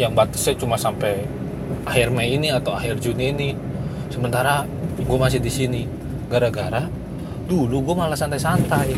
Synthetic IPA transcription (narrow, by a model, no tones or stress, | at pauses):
jaŋbat̪ə̥sjat͡ʃumasampɛ | ahirmɛiniat̪awaɦɪrd͡ʒuniini | səmənt̪aɾa | ɡuɛmas̬ɪdisini | ɡaɾaɡaɾa | duluɡuɛmalasant̪ajsant̪aj